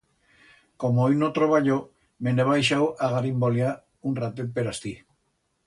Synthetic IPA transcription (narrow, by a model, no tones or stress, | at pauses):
komoejnot̪ɾoβaʎo | meneβajʃ̬awʔaɣaɾimbolja | unrat̪et̪̚peɾast̪i